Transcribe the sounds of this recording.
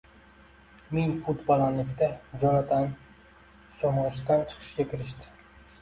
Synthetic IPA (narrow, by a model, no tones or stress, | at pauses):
menʲfʊt̪bɒlˠanlɪkʲt̪ad͡ʒɒnat̪ʰan | ʃɒmɒʃt̪ant͡ʃʰɨ̥qʰɨ̥ʃɡʲakʲʰɪɾɪʃt̪ɪ̥